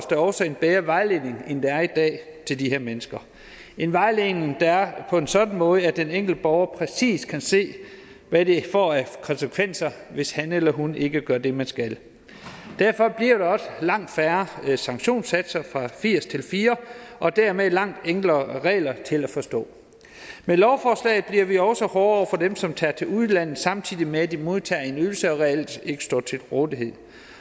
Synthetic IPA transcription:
sd̥ɑɒʊsɒ̽e̝nb̥eːɐʋɑ̈ɪle̝ne̝ŋend̥eæɐid̥ɛ̰ːt͡sʰe̝ld̥iheɐ̰menəsɡ̥ɐ | e̝nʋɑ̈ɪle̝ne̝ŋd̥ɑæɐpʰɒ̽e̝nsɒ̽d̥n̩mɔ̽ːð̞əæd̥eneŋ̰ɡ̥l̩̥əb̥ɒʊɐpʰʁɛsḭːskʰænse̝̰ː | ʋæd̥e̝fɒ̰ːækʰɒ̽nsəkʰʋen̰sɐʋe̝shænelɐɦune̝ɡ̥əɡ̥ɶɐd̥e̝mænsɡ̥æl | d̥æɐ̰fɒ̽b̥liɐɾ̥ɑɒ̽səlɑ̈ŋ̰d̥fæɐɐsɑ̈ŋɕo̝̰ːnsæd̥sɐfʁɑ̈fiɐ̰st͡sʰe̝lfiːɐʔɒ̽d̥æɐ̰melɑ̈ŋ̰d̥eŋ̰ɡ̥lɐʁɛ̰ːlɐt͡sʰe̝læfɒ̽sd̥ɔ̰̽ː | melɒʊfɒːslɛ̰ɪð̩ˠb̥liɐʋiɒ̽ʊsɒhɒːɒʊ̰ɐfɒ̽d̥emsɒ̽mt͡sʰæːt͡sʰe̝luðˠlæn̰ð̩ˠsɑ̈mt͡sʰið̰ˠimeæd̥imo̝ðˠt͡sʰɛːe̝nyl̩səɒ̽ʁɛel̰d̥e̝ɡ̥ə̥sd̥ɒ̰ːt͡sʰe̝lʁɔ̽ːðˠiɦe̝ð̞̰ˠ

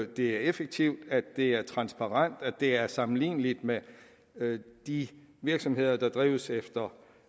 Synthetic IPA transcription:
d̥e̝æɐefeɡ̥̚t͡sʰiʊd̥æ̥ːe̝æɐt͡sʰʁɑ̈nsb̥ɑ̈ʁɑn̰d̥æd̥e̝æɐsɑ̈mn̩lḭːnəlid̥me | d̥i | ʋiɐɡ̥sɒ̽mhe̝ð̞̰ˠɐd̥ɑ̈d̥ʁḭːʊəsefd̥ɐ

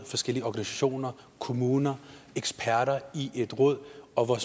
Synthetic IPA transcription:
fɒ̽sɡ̥el̰iəɒɡ̥ænisæɕo̝̰ːnɐ | kʰo̝muːnɐeɡ̥sb̥ʰæɐ̰ɾɐiʔe̝d̥ʁɔ̽ð̰ˠɒ̽ʋɒs

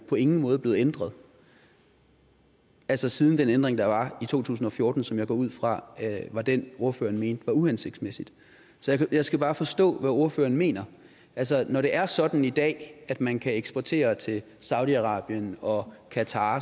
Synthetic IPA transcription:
pʰɒ̽e̝ŋn̩mɔ̽ːð̞̩ˠble̝ːð̩ˠend̥ʁɐð̞̩ˠ | ælsɐsiːð̞ˠn̩d̥enend̥ʁeŋd̥ɑ̈ʋɑ̈it͡sʰo̝̰ːt͡sʰṵːs̬n̩ɒ̽fjo̝ɐːd̥n̩sɒ̽mjɑ̈ɪɡ̥ɒ̰ːuð̞̰ˠfʁɑ̈ʋɑ̈d̥eno̝ɐfø̰ːɐn̩me̝ːnd̥ʋɑ̈uhænse̝ɡ̥d̥smesid̥ | sɒ̽jɑjɑ̈ɪsɡ̥æb̥ɑ̈ːfɒ̽sd̥ɔ̰̽ːʋæo̝ɐfø̰ːɐːn̩me̝̰ːnɐ | ʔælsɐnɒɾ̥e̝ʔæɐsɒ̽d̥n̩id̥ɛ̰ːæd̥mænkʰæeɡ̥sb̥ɒt͡sʰe̝̰ːɐt͡sʰe̝l | sɑ̈ʊd̥ˠiɑ̈ʁɑ̰̈ːb̥jənɒ̽kʰæt͡sʰɑ̰̈ː

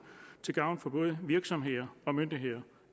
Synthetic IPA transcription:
t͡sʰe̝ɡ̥ɑ̈ʊnfɒ̽b̥ɔ̽ːð̞ˠəʋiɐɡ̥sɒ̽mɦe̝ð̰ˠɐɒ̽mønd̥ie̝ð̰ˠɐ

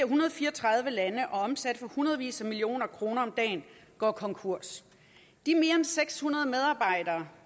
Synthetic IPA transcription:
ɐɦunɐð̞ˠfiːɐɒt͡sʰʁɑ̈ð̞ˠʋəlænəʔɒ̽ɒ̽msæd̥əfɒ̽hunɐð̞ˠʋḭːsɐmilio̝̰ːnɐkʰʁo̝ːnɐɒ̽md̥ɛ̰ːnɡ̥ɒ̰ːkʰɒ̽ŋkʰuɐ̰s | d̥iɐme̝ːɐenseɡ̥shunɐðˠəmeð̞ˠɑ̈ːb̥ɑ̈ɪ̰d̥ɐː

